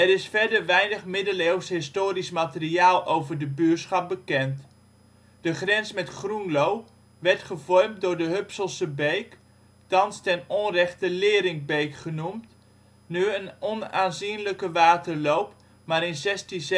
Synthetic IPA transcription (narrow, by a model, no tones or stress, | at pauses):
ɛɾɪsfɛɹdəɹʋɛjnəχmɪdəlewsɦɪstoːɾismatəriaːlˠʔowvəɹdəbyːsχɑp̚bəkɛnt | d̥əχrɛnsmɛtχrunlow | ʋɛɹtχəvɔrm̚dʊːɹdəɦøpsəlˠsəbejk | tɑnstɛnɔnrɛχtəlɪːɾɪŋbejkχənumt | nyənɔnaːnzinləkəʋaːtəɹlowp | maːɾɪnzɛstiz